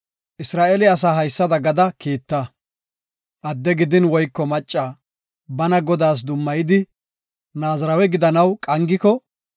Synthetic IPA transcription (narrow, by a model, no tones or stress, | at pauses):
ʔɪsɾaːʔɛlɪɐs̬aːɦɐjsːɐd̪ɐɡɐd̪ɐkiːt̪ːɐ | ʔɐd̪ːɛɡɪd̪ɪnwɔjkːɔmɐt͡ʃʼːaː | bɐnɐɡɔd̪aːs̬d̪ʊmːɐjɪd̪ɪ | naːzɐɾɐwɛɡɪd̪ɐnɐwkʼɐŋɡɪkɔ